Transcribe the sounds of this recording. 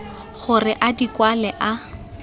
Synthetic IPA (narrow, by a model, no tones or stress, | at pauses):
χʊrɪʔadikwalɛʔa